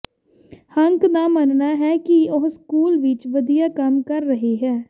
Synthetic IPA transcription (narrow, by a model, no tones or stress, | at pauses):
həŋkd̪aːmənnaːɦɛːkɪoɦskuːlʋɪt͡ʃʋəd̪ijaːkəmkəɾːəɦeːɦɛː